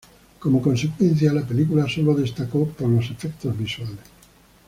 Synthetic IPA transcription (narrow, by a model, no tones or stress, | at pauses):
komokonsekwɛnθjalapelikulasolod̪est̪akɔpolosefɛkt̪ozbiswales